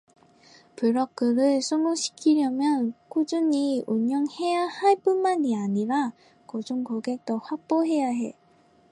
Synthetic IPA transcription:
pɯɭɾʌk͈ɯɾɯɭsʰuŋuɕʰi̥kʰiɾjʌmjʌnkʰod͡ʑuɲiuɲjʌŋhe̞jahaɭp͈unmaɲiaɲiɾa | kʌd͡ʑuŋkʌɡe̞k̚t͈ʌɸwak̚p͈oɦe̞jaɦḛ

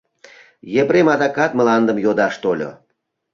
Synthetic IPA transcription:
jepɾemɑd̪ɑkɑt̪mə̆lɑnd̪ə̆mjod̪ɑʃt̪olʲo̰

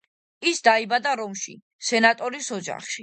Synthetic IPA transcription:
isd̪aibad̪aɾɔmʃḭ | sɛnat̪ʼɔɾisɔd͡ʒa̰χʃi

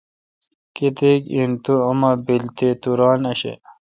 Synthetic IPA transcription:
kit̪ekint̪uɐmɐbilt̪et̪uɾɑːnɐɕḛ

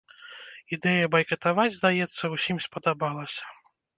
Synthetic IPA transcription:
id̪ɛjɐbɐjkɐt̪avad͡zʲzd̪ajɛt̪sːɐwsʲimspɐd̪abalˠɐsʲɐ̥

